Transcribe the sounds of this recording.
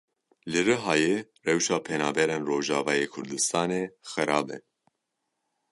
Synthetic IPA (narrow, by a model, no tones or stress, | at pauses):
lɨɾɨɦɑːjeːrɛwʃɑːpʰɛnɑːbɛɾeːnroːʒɑːvɑːjeːkʰʊɾd̪ɨst̪ʰɑːneːxɨɾɑːbɛ̰